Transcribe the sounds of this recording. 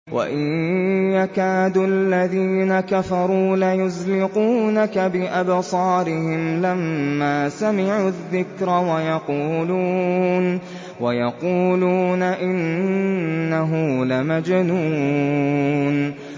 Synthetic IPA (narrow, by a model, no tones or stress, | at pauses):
wʔa̰ʔɪjjakaːd̪ualːaðiːnakafɑɾˤuːlajʊzlɪquːnakabɪʔabsˤɑːɾɪhɪmlamːaːsamɪʕuðːɪkɾawajɑquːluːn | wajɑquːluːnaʔɪnnːaɦʊmlamad͡ʒnuː | n